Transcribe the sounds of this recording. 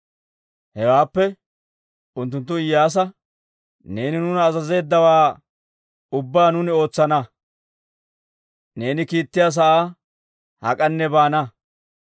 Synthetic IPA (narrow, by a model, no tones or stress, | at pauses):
hɛwaːpːɛ | ʊnt̪̬ːʊnt̪̬ːʊɪjːaːs̬ɐ | ne̞ːnɪnʊnɐːzɐze̞ːd̪ːɐwaː | ʊbːaːnʊnɪo̞ːt͡sːɐnɐ | ne̞ːnɪkiːt̪ːɪjaːs̬ɐʔaː | hɐ̰kʼɐnːɛbaːnɐ